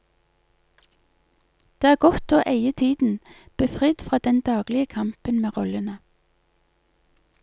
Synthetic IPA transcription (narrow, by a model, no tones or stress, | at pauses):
d̪̥eːæːɡɔt̪oːʔeɪət̪ʰiːd̪n̩b̥eːfʁɪd̪fʁɑːd̪ɛnd̪ɑːɡlɪəkʰɑmpənmeːʁɔlənə